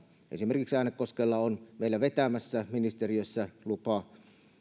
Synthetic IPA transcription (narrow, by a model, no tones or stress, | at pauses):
ʔḛsimerkiksæˑnekːoskelːɑonmeˑilːæʋet̪æmæsːæminist̪eriøsːælupɑ